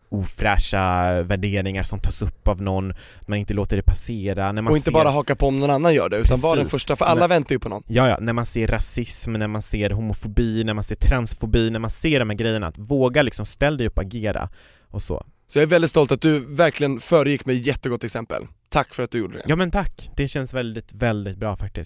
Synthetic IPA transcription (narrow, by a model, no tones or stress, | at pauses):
uːfɾæːʂavæɖeːɾɪŋaɾsɔmt̪ʰɑːsɵpːavnɔnː | at̪manɪnt̪əloːt̪əɖɛpʰaseːɾanæɾmaɔɪnt̪əbɑːɾaɦɑːkaɾpʰɔɔmnɔnanːanjœ̰ːɖɛʉ̟ːt̪anvaɖɛnːfœʂʈafœɾʔalːavɛnt̪ajʏpʰɔnɔ̰nːjɑːjɑ̰ːnæɾmanseːɾːasɪsmnæɾmanseːɾɦʊmʊfʊbiːnæɾmanseːʈʰɾansfʊbiːnæɾmanseːɖɔmhæːɾɡɾɛjːəna̰a̰t̪voːɡalɪksɔmst̪ɛlːd̪ɛjɵpːɔaɡeːɾa̰ | ʔɔsɔ̰ː | sɔjɑːɛɾvɛld̪ɪt̪st̪ɔlt̪at̪̚d̪ɵvæɾkʰlɪɡənfœːɾəjɪkːmɛjːɛt̪ːəɡɔt̪ːɛksɛmpə̰lt̪ʰakːfœɾat̪̚d̪ɵjuːɖə̰dɛ̰jɑːmɛnt̪ʰakːd̪̥ɛɕɛnsvɛld̪ɪt̪vɛld̪ɪt̪̚bɾɑːfak̚t̪ɪst̪